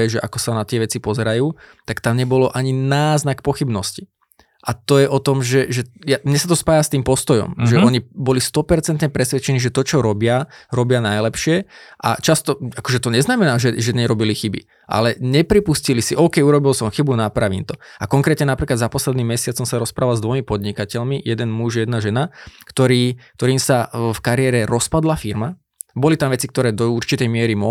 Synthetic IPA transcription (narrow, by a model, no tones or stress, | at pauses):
ɛʒɛʔakɔsanat̪ɪɛʋɛt͡sipɔzɛɾajuːt̪akt̪amɲɛbɔlɔʔaɲinaːznakpɔxibnɔsci̥ | ʔat̪ɔjɛʔɔt̪ɔmʒɛʒɛjamɲɛsat̪ɔspaːjast̪iːmpɔst̪ɔjɔ̰mʒɛɔɲibɔlist̪ɔpɛɾt͡sɛnt̪ɲɛpɾɛsʋɛt͡ʃɛniːʒɛt̪ɔt͡ʃɔɾɔbɪaɾɔbɪanajlɛpʃɪɛʔa̰t͡ʃast̪ɔakɔʒɛt̪ɔɲɛznamɛnaːʒɛʒɛɲɛɾɔbilixibḭ | ʔa̰lɛɲɛpɾipuscilisiʔɔːkɛjuɾɔbilsɔmxibunapɾaʋḭːnt̪ɔakɔŋkɾɛːt̪ɲɛnapɾiːklad̪zapɔslɛd̪niːmːɛsɪat͡sɔmsaɾɔspɾaːʋalzd̪ʋɔjmipɔd̪ɲikacɛʎmijɛd̪ɛnmuʒjɛd̪naʒɛnakt̪ɔɾiːk̚t̪ɔɾiːmsafkaɾɪɛːɾɛɾɔspad̪lafiɾma | bɔlit̪amʋɛt͡sik̚t̪ɔɾɛːd̪ɔuɾt͡ʃit̪ɛjmɪɛɾimɔ